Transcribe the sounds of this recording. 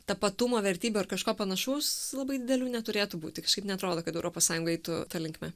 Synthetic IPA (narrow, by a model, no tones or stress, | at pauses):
t̪ɐpɐt̪ʊmoːʋʲɛɾʲt̪ʲiːbʲʊɐrkɐʃkoːpɐnɐʃʲuːslˠɐbɐɪd̪ʲɪd̪ʲɛlʲuːnʲɛt̪ʊɾʲeːt̪ʊbuːt̪ʲɪkɐʃkɐɪpnʲɛɐt̪ɾoːd̪oːkɐt̪ɛʊɾʔoːpoːsɑːjʊŋɡɐɛɪt̪ʊt̪ɑlʲɪŋkmʲɛ